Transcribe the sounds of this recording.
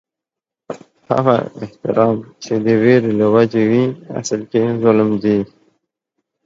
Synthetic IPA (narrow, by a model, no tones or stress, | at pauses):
ha̰ɣa̰ɪ̰ht̪ɪ̰ɾɑːmt͡ʃed̪əweɾelawad͡ʒewia̰səlkezʊlmd̪i